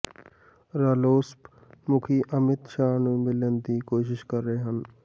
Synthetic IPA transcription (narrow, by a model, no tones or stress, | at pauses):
ɾaːloːsp | mʊkʰiːʔəmɪt̪ʃaːnũːmɪlənd̪iːkoːʃɪʃkəɾːəɦeːɦən